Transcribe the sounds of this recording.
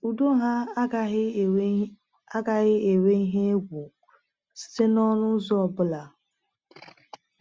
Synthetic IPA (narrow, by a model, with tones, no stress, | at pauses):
u˨du˦ɦa˦ | a˦ɡa˨ɣɪ˦e˨we˦i˦ɦe˦e˦ɡʷu˨ | sɪ̥˦se˦nɔ˦ɾʊ˦zɔ˦ɔ˨bʊ˦la˨